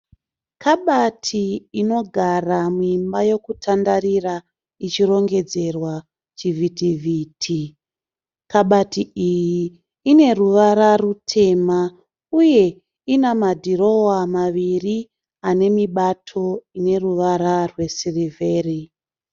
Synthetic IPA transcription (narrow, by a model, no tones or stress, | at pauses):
kʰaɓatʰiːno̞ɡʱaramuimbaje̞kutʰandarira | it͡ʃiro̞ŋɡe̞d͡ze̞rwa | t͡ʃivitivʱiːtʰi | kaɓatiijiː | ne̞ruʋaɾarutʰe̞ma | uje̞ | inamadʱiro̞wamaʋiri | ane̞miɓatʰo̞ine̞ruʋaɾarwe̞sirive̞ːri